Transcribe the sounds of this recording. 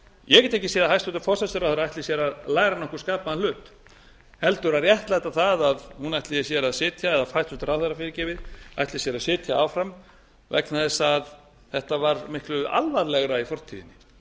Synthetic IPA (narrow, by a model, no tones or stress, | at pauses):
jɛcɛt̪ɛhcːɪseːðahajsʏt̪ḁɾfɔsasɛɾawθœɾaðajht̪ɪsjɛɾaðlaːjɣɾanɔhkʏskaːpaalʏːt̪ | hɛlt̪ʏɾarjɛht̪lajɛt̪aθaðaðhunajht̪lɪsjɛɾaðsɪːt̪ʰjaɛðafajst̪ʏ̥t̪ɾawθɛɾafɪːɾɪcɪːvɪða̰jht̪lɪsjɛɾaðsɪːt̪ʰjaawfɾam | vɛ̰knaðɪsað | θɛht̪avaɾmɪhklʏʔa̰lvaɾlɛɣɾaifɔr̥t̪ʰḭðɪnɪ